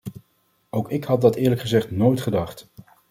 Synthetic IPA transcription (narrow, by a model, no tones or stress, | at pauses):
owkɪkhɑt̚dɑtɪːɹləkχəzɛχtnoːjtχədɑχt